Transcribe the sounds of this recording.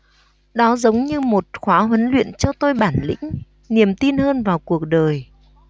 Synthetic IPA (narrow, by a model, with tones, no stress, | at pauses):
ɗɔ˨˦zə˨˦wŋ͡mɲɨ˧mo˨˩t̚xwaː˨˦ɦwə˨˦nlwḭ˧˨ənt͡ɕɔ˧t̪o˧jɓaː˧˩nlḭ̈˧˥ŋ̟ | ni˨˩əmt̪i˧nhəː˧nvaː˨˩wku˨˩ək̚ɗəː˨˩j